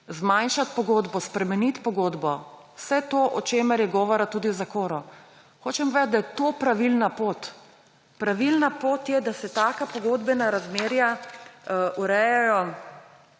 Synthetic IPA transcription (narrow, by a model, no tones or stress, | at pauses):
zmajnʃat̪pɔɡoːd̪bɔspɾɛmɛnit̪pɔɡoːd̪bɔwsɛt̪oːʔɔt͡ʃeːmɛɾjɛɡɔːʋɔɾat̪uːd̪iwzakoːɾɔ | xoːt͡ʃɛmvʋɛːd̪t̪d̪ajɛt̪opɾaʋilnapoːt̪ | pɾaʋilnapoːt̪jɛd̪asɛt̪aːkapɔɡoːd̪bɛnaɾazmeːɾja | ʔuɾɛjɛjɔ